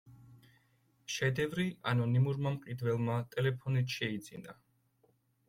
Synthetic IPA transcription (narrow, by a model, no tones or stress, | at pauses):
ʃɛd̪ɛvɾianɔnimuɾmamqʼid̪vɛlˠmat̪ʼɛlɛpʰɔnit̪ʰʃɛid̪z̥ḭna